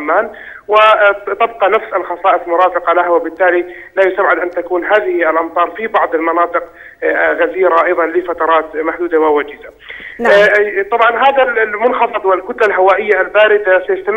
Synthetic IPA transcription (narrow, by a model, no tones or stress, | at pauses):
mːaːn | wɪt̪ab̚qɑnafsalxɑsˤɑːʔɪsˤmʊɾˤɑːfɪqɑlahawɪbɪt̪ːaːli | lajʊst̪abʕɪd̪ʔant̪akuːnɦaːðɪhialʔɑmt̪ˤɑːɾˤfibɑʕd̪ˤɪlmɑnɑːt̪ˤɨq | ɣaziːɾaʔɑjðˤɑnlɪfat̪ɑɾˤɑːt̪maħd̪uːd̪awawad͡ʒɪza | t̪ˤɑbʕɑnɦaːðamʊnxɑfɨd̪ˤwɪlkʊt̪lalɦawaːʔɪjːalbaːɾɪd̪asajast̪am